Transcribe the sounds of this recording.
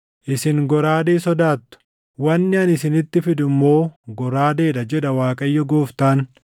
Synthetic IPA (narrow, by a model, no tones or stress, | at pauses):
ʔɪsɪŋɡɔɾaːd̪eːsɔd̪aːt̪ːʊ̥ | wɐnːɪɐnɪsɪnɪt̪ːɪfɪd̪ʊmːo̞ːɡɔɾaːd̪e̞ːᶑɐd͡ʒɛᶑɐwaːkʼɐjːɔɡo̞ːft̪aːn